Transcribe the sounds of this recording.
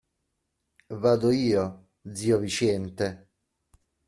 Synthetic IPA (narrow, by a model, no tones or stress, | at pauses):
vaːd̪oiːo | d̪ziːovit͡ʃɛnt̪e